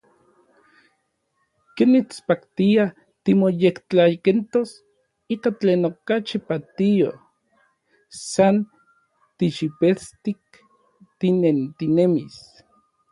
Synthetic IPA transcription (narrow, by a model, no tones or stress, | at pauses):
kenːit͡spakt̪ia | t̪imojekt͡ɬajkent̪os | iːkat͡ɬeːnokat͡ʃipat̪io̰ | san | t̪iʃipest̪ik̚ | t̪inent̪inemis